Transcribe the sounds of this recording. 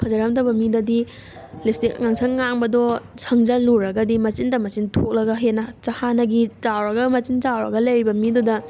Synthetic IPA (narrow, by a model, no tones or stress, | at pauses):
pʰɐzɐɾamdɐbɐmidɐdi | lipstikŋaŋsʰɐŋːaŋbɐdɔsʰɐŋd͡ʒɐluɾɐɡɐdimɐt͡ʃindɐmɐt͡ʃintʰok̚lɐɡɐɦenɐt͡ʃahanɐɡit͡ʃawɾɐɡɐmɐt͡ʃint͡ʃawɾɐ̰ɡɐlɐjɾibɐmidudɐ